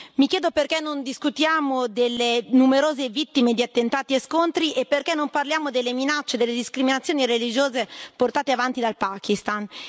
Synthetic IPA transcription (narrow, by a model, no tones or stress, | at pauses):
mikjeːd̪operkɛnːond̪iskut̪jaːmod̪elːenumeɾoːzevit̪ːimed̪iat̪ːent̪aːt̪ieskont̪ɾiʔepːerkɛnːomparljaːmod̪elːeminat͡ʃːed̪elːed̪iskɾiminat̪sːjoːnirelid͡ʒoːzeport̪aːt̪eavant̪id̪alpaːkist̪an